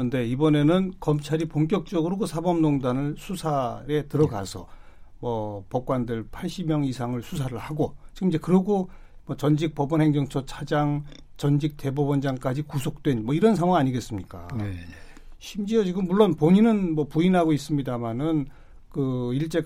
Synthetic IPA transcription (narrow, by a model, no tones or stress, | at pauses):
ɯnde̞ibʌne̞nɯnkʌmt͡ɕʰaɾipoŋk͈jʌk̚t͡ɕ͈ʌɡɯɾoɡosʰabʌmnoŋdanɯɭsʰusʰaɾe̞tɯɾʌɡa̰sʰʌ̰mʌpʌp̚k͈wandɯɭpʰaɭɕ͈imjʌŋisʰaŋɯɭsʰusʰaɾɯɭhaɡot͡ɕiɡɯmid͡ʑe̞kɯɾʌɡo | mʌt͡ɕʌnd͡ʑik̚p͈ʌbʌnɦe̞ŋd͡ʑʌŋt͡ɕʰʌt͡ɕʰad͡ʑaŋ | t͡ɕʌnd͡ʑik̚t͈e̞bobʌnd͡ʑaŋk͈ad͡ʑikusʰok̚t͈we̞nmʌiɾʌns̬ʰaŋwaŋaɲiɡe̞s͈ɯmɲik͈a̰ne | ɕʰimd͡ʑiʌt͡ɕiɡɯmːuɭːonpoɲinɯnmʌpuinɦaɡois͈ɯmɲidamanɯn | kɯiɭt͡ɕ͈e̞